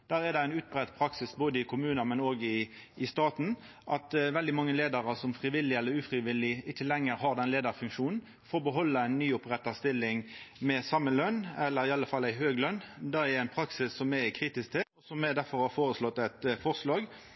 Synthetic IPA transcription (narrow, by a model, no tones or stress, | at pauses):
d̪̥æːʁɛʁd̪ɛæɪnʉːt̪̚bʁɛt̪pʰɾɑksɪsboːd̪əɪkʰʊmʉːnɑmɛnoːɡɪ | ɪst̪ɑːt̪n̩ | ʔɑt̪ʋɛld̪ɪmɑŋːəleːd̪əʁəsɔmfʁɪʋɪlːɪɛlːəɾʉːfɾɪʋɪlːɪɪçːəlɛŋːəɾɦɑʁd̪ɛnleːd̪əʁfʉŋkʃuːnn̩ | foːʁbəɦɔlːəæɪnːyːʊpʁɛt̪ːɑst̪ɪlːɪŋmɛsɑmːəlœnɛlːəɾɪɑlːəfɑlːæɪɦøːɡəlœnːd̪ɛɛæɪnpʰɾɑksɪsːɔmɛɪkʰɾiːt̪ɪsk̚t̪ʰeɔsɔmɛd̪æʁfɔʁhɑɾfoːɾəslɔt̪ːɛt̪fɔʁslɑːɡ